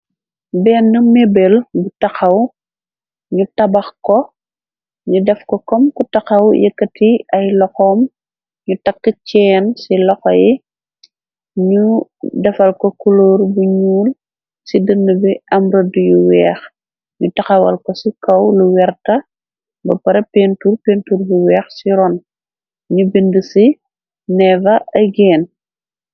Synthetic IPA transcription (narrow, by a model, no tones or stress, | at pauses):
bɛːnːəmebelbutɐxɐw | ɲutɐbɐxkɔ | ɲudɛfkɔkɔmkutɐxɐwjə̰kːɐtiɐjlɔxɔːm | ɲutɐkːəcɛːnsilɔxɔji | ɲudɛfɐlkɔkuloːrbuɲuːl | sidənːəbiɐmɾɐdujuwɛːx | ɲutɐxɐwɐ̰lkɔsikɐwluwɛrtɐ | bɐpɐɾɐpeːntuːrpentuːrbuwɛːxsiɾɔːn | ɲubindəsi | nɛvɐʔɐjɡɛːn